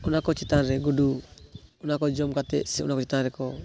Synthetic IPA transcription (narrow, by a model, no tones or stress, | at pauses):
unakɔt͡ʃit̪anɾɛɡudu | unakɔd͡ʒɔmkat̪ɛʔsɛṵnakɔt͡ʃit̪anɾɛkɔ